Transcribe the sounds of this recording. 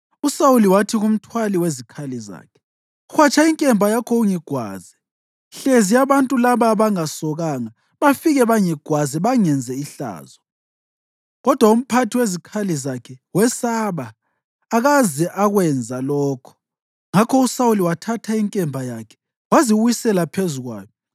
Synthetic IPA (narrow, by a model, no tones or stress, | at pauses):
usawuliwatʰiɣum̩tʰwaliwezikʰaliza̰ːkʰɛ̥ | xwat͡ʃʰʼaiŋkʼɛmbʱajakʰɔuŋiɡ̥ʱwa̰ːzɛ | ɬezijaβantʼulaβaβaŋasɔɣaŋa | βafiɣɛβaŋiɡ̥ʱwazɛβaŋɛnd͡zʱɛiɬa̰ːzɔ | ɣɔd̥ʱwaum̩pʰatʰiwezikʰalizakʰɛwɛsaβaː | ɣazɛʔaɣwɛnd͡zʱalɔːkʰɔ̥ | ŋakʰɔusauliwatʰatʰaiŋkʼɛmbʱajakʰɛ̥ | waziwisɛlapʰezuɣwa̰ːjɔ